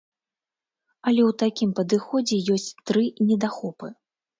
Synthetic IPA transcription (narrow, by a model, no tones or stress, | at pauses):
ɐlʲɛwt̪akʲimpɐd̪ɨxɔd͡zʲɛjɔsʲt͡sʲt̪ɾɨnʲɛd̪axɔpɨ